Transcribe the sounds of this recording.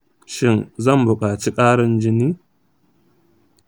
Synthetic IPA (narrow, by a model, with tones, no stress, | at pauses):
ʃɪ˦˨nzɐ˦˨mbʊ˨kʼaː˨t͡ʃiː˦kʼaː˦ɽɪ˦nd͡ʒɪ˦niː˦